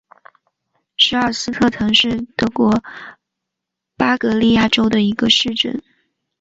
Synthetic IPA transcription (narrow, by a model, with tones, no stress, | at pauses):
ʂɻ̩˧˥ɐ˞˥˩sɹ̩˥t̪ʰɤ˥˩t̪ʰɤ˧˥ŋʂɻ̩˥˩t̪ɤ˧˥kwɔ˧˥ | pa˥kɤ˧˥li˥˧ja˥˩ʈ͡ʂo˥ʊd̪ə˨i˧˥ɡə˧ʂɻ̩˥˧ʈ͡ʂə̰˥˩n